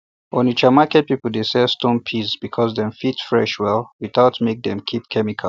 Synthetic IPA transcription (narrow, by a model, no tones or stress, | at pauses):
ɔ̃nit͡ʃamakɛt̚pipl̩ˠdesɛstõnpʰisbikʰɔzðɛ̃ɱfitfɹɛ̰ʃwɛlˠwiθaʊtmek̚dɛ̰̃mkʰip̚kʰɛmikʰal